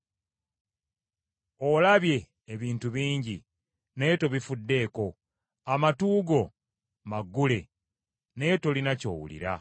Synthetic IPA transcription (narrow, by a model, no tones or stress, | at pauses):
o̞laβje̞ː | βiːntuβiːɲɟi | ne̞to̞βifudːe̞ːko̞ | amatuːɡo̞ | maɡːule̞ | ne̞to̞linaco̞̰ːwṵlḭɾa̰